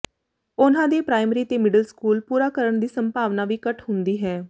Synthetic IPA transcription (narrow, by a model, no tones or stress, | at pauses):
ʊnãːd̪eːpɾaːɪmɾiːt̪eːmɪɖəlskuːlpuːɾaːkəɾəɳd̪iːsəmpaːʋnaːʋiːkəʈʰɦʊnd̪iːɦɛː